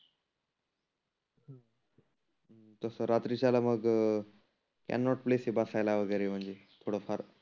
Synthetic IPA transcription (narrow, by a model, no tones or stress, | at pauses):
t̪əsəɾat̪ɾit͡ɕalaməɡ | kæ̰nːɔʈplesebasajlaʋəɡəjɾem̤əɳd͡zet̪ʰoɽofʰəɾ